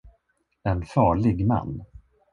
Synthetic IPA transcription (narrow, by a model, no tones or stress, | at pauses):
ɛnfɑːɭɪɡma̰nː